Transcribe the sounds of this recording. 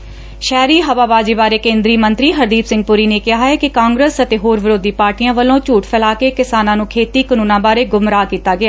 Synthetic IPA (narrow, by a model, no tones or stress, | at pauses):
ʃɛːɾiːɦəʋaːbaːd͡ʒiːbaːɾeːkẽːnd̪ɾiːmənt̪ɾiːɦəɾd̪iːpsɪ̃ŋɡ̚pʊɾiːneːkɪɦaːɛːkɪkãːŋɡɾəsət̪eːɦoːɾʋɪɾoːd̪iːpaːɾʈijãːʋəlõːt͡ʃuːʈpʰɛlaːkeːkɪsaːnãːnũːkʰeːt̪iːkənũːnãːbaːɾeːɡʊmɾaːkiːt̪aːɡɪaː